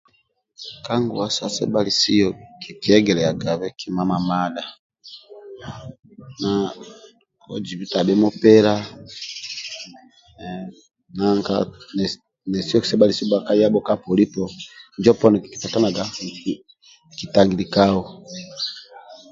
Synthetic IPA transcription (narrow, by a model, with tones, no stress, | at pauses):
ka˦ŋɡu˨wa˨˦sa˦sɛ̰˦ba˦li˨si˦jɔ˨ki˨ki˨ɛ˦ɡɛ˨lɛ˨a˨ɡa˨βɛ˦ki˦ma˦ma˨ma˦ɗa˨ | na˨ | ɔ˦d͡ʒi˨βi˦ta˨bɛ˦mɔ˦pɛ˦ɾa˦ | na˨ŋkanɛ | nɛ˨si˦jɔ˦ki̥˨sɛ˦ba˦li˨si˦ba˨ka˦ja˦bɔ˦ka˦pɔ˨li˦pɔɲd͡ʒɔ˦pɔ˦nɔ˨ki˨ki̥˨ta˨ta˦na˨ɡa˨k | ki˨ta˨ŋɡi˨li˨ka˦wɔ˨